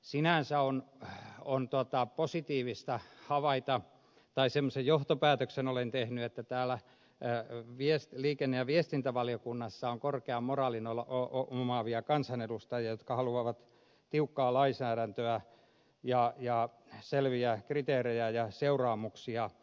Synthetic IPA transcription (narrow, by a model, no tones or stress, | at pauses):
sinæˑnsæon | ont̪uot̪ɑposit̪iːʋist̪ɑhɑʋɑit̪ɑ | t̪ɑisemːosejjoht̪opæːt̪øksenolent̪ehnyet̪ːæt̪æːlæ | ʋiesliːkenːejɑʋiest̪int̪æʋɑlijokunːɑsːɑoŋkorkeɑmorɑːlinolɑoomɑʋiɑkɑnsɑnedust̪ɑjɑjot̪kɑhɑluɑʋɑt̪ | t̪iukːɑːlɑisæːɾænt̪øæ | jɑjɑ | selʋiækrit̪eːrejæjɑseurɑːmuksiɑ